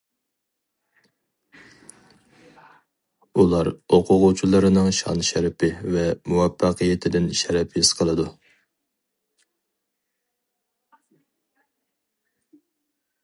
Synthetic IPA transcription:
ulˠɑɾoqʰʊʁut͡ʃʰilˠɨɾɨnɨŋʃɑ̰nʃɛɾpʰɪvɛmuwɛfːɑqʰɨjet̪ʰɪd̪ɪnʃɛɾɛpʰɪsqʰəlˠɨd̪u

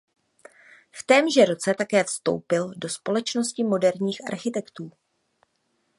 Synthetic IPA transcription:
ft̪ɛːmʒɛɾo̞t͡sɛt̪akɛːfst̪o̞̰wpɪldo̞spo̞lɛt͡ʃno̞scɪmo̞dɛɾɲiːxʔa̰ɾxɪt̪ɛkt̪uː

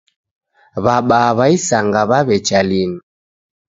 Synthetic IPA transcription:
βaɓaβaisaŋɡaβaβɛt͡ʃalini

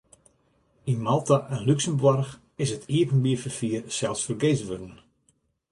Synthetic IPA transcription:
inmalˠtaʔɛnlyksəmbʋɔrx | ɪsətʰiəpənbiəfərfiərsɛlˠsfərɡejzʋødən

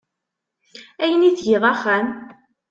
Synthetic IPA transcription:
æjəniθʝiʁˤæχæm

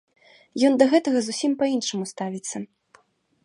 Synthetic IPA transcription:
jɔnd̪ɐɣɛt̪ɐɣɐzusʲimpɐinʂɨmust̪avʲit̪sːɐ

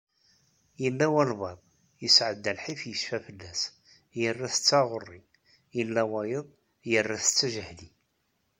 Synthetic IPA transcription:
jəlːæwælvɑðˤ | jəsʕəd̪ːælħifjəʃfæfəlːæs | jərːæθə̥t͡sːɑʁʊrˤːi | jəlːæwæjəðˤ | jərːæθə̥t͡sːæʒəhli

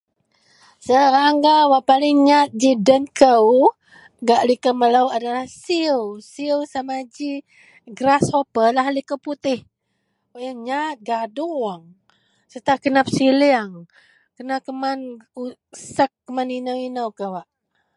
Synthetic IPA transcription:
səɾaŋɡawaʔpalɪŋɲat̪̚d͡ʒidənkəw | ɡaʔlikəmələwadalahsiəwsiəwsamad͡ʒi | ɡɾashopəlaɦlikəwput̪ɪh | waʔjaɲat̪̚ɡadʊŋwaŋ | sət̪akənap̚siliaŋ | kənakəmanu | səkːəmaninəwinəwkəwaʔ

